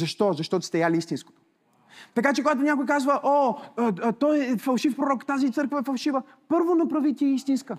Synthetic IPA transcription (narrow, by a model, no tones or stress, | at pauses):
zɐʃt̪ɔzɐʃt̪ɔt̪ʊ̥st̪ɛjalʲiist̪insko̥t̪o | t̪ɐkat͡ʃɛkoɡat̪ʊnʲakojkazvəʔo | t̪ɔjɛfɐlˠʃifpɾoɾɔkt̪azit̪sɤɾkvəɛfɐlˠʃivə | pɤɾvonɐpɾɐvit̪ʲiɛist̪inskə